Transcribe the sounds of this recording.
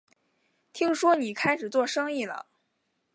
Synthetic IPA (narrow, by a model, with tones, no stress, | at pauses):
t̪ʰi˥ŋʂwɔ˥ni˨˩kʰa˥ɪʂɻ̩˨˩t͡swɔ˥˩ʂɤ˥ŋi˥˩lə̰˩